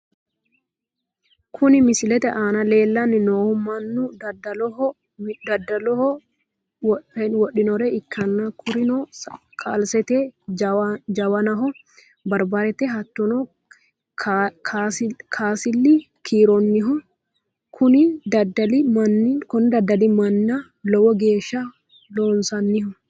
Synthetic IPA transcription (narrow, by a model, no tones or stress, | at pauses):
kʰʊnɪmɪsɪlɛt̪ɛʔaːnɐle̞ːlːɐnːɪnoːhʊmɐnːʊddɐlɔ | d̪ɐdɐlɔhɔ | pɛnwɔɗɪnɔɾɛɪkːɐnːakʰʊɾɪnɔ | kʰaːlsɛt̪ɛ | d͡ʒɐwɐnɐɦɔ | bɐɾbaɾɛt̪ɛɦɐt̪ːɔnɔ | kʰːskʰaːsɪlːɪ | kʰiːɾɔnːɪɦɔ | kʰʊnɪd̪ɐd̪ɐlɪmɐnːkʊnd̪ɐd̪ːɐlimɐnːɐ | lɔwɔɡe̞ːʃːɐ | loːnsɐnːɪhɔ